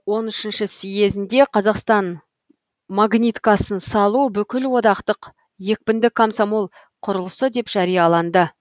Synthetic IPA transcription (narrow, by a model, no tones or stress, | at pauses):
wo̞nʏʃɪnʃɪsije̞zɪnd̪e̞qʰɑzɑqst̪ɑn | maɡnʲit̪kɑsənsɑlˠubʏkʲɪlwo̞d̪ɑqt̪əq | je̞k̚ʲpɪnd̪ɪkʰːomsomolˠ | qʰʊɾəlˠəsəd̪e̞pʒ̥æɾijɑlˠɑnd̪ə